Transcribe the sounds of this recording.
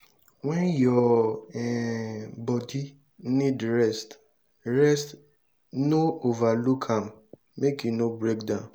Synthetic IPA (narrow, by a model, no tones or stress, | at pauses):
wɛ̃njɔɛbɔdi | nĩdɹɛst | ɾɛst | noovalukʰãn | mekinobɾekdã